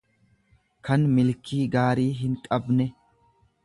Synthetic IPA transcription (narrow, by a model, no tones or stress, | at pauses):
kɐnmɪlkʰiːɡaːɾiːɦɪŋkʼɐbnɛ